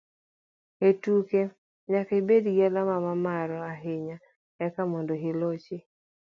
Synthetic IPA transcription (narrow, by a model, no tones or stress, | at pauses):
etuke | ɲakebedɡɛlamamamaɾɔaɦɪɲa | ɛkamɔndoɦɪlot͡ʃɪ